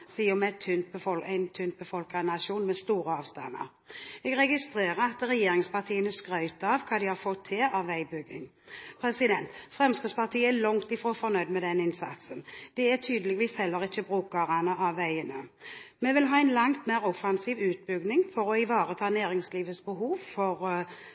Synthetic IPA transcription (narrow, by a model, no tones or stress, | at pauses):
siːəmɛt̪ʰʏnt̪̚bəfɔlæɪnt̪ʰʉnt̪̚bəfɔlkɑnɑʃuːnmɛst̪uːɾəɑːʋst̪ɑ̰nːə̰ɾ | ɛɡɾɛɡɪst̪ʁeːʁəɾɑt̪ʁɛjeːɾɪŋspɑʁt̪ʰiːənəskɾœʏt̪əɑʋkʰɑːd̪ɪhɑɾfɔt̪ʰːɪlɑʋæɪbʏɡːɪŋ | pʰɾɛsɪd̪ɛnt̪fʁɛmskəspʰɑʁt̪ʰiːəælɔŋt̪ɪfʁoːfɔnœʏd̪mɛd̪ɛnɪnsɑ̰t̪sənd̪̥ɛæt̪ʰyːd̪əlɛɡʋiːshɛlːəʁɪçəbʁʉːkəʁɑnəɑʋːæɪənəmɛʋɪlɦɑːæɛɪnlɑŋt̪meːʁɔfɑnsiːʋʉːt̪̚bʏɡnɪŋfɔɾɔɪʋɑːʁət̪ʰɑːnæːɾɪŋsliːʋəsbəɦuːʋfɔʁ